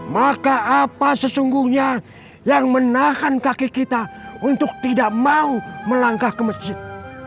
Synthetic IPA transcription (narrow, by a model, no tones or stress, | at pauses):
makaʔapasəsuŋɡuhɲa | jaŋmənahankakikit̪aunt̪ʊk̚t̪idaʔmauməlaŋkahkəmət͡ʃɪt̪̚